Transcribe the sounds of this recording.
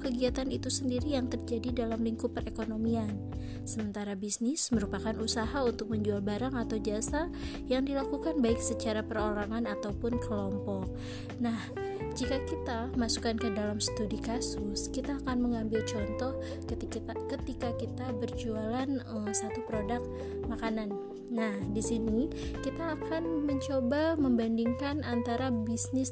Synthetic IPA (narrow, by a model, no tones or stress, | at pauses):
kəɡiat̪anit̪usəndiɾijaŋt̪ərd͡ʒadidalamliŋkupərekonomian | səmənt̪aɾabisnɪsməɾupakanusaɦaunt̪ʊk̚məɲd͡ʒualbaɾaŋat̪awd͡ʒasa | jaŋdilakukanbaɪksət͡ʃaɾapəɾolaŋanat̪awpʊnkəlɔmpɔk̚ | nah | d͡ʒikakit̪amasukankədalamsə̥t̪udikasʊskit̪aːkanməŋambɪlt͡ʃɔnt̪ɔh | kət̪ik̪akət̪ikakit̪abərd͡ʒualanəmsat̪upɾodak̚ | makananː | ahdisini | kit̪aːkanməɲt͡ʃobaməmbandiŋkanant̪aɾabisnɪs